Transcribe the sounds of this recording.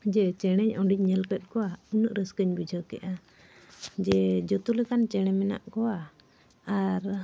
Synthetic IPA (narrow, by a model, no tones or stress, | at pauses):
d͡ʒɛt͡ʃɛɽ̃ɛɲɔɖiɲɲɛlkət̪̚ˀkɔwaunəʔɾəskəɲbid͡ʒʱəkɛ̰ʔa | d͡ʒɛd͡ʒɔt̪ulɛkant͡ʃɛɽ̃ɛmɛna̰ʔkɔwaː | ɾ